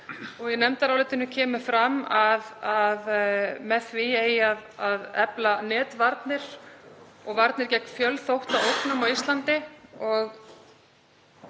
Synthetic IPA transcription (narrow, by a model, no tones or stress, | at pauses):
ɔɣjɛnɛmt̪aɾawlɛːt̪ɪnʏcʰɛːmʏfɾamaðaðmɛðθvɪeːjaðaðɛplanɛːt̪vaɾt̪nɪɾ̥ | ɔɣvaɾt̪nɪɾcɛjkfjœlθowht̪aowknamawist̪lant̪ɪɔɣ